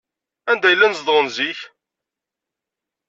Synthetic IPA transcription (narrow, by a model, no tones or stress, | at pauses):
ænd̪æjəlːænzd̪ˤʁənziç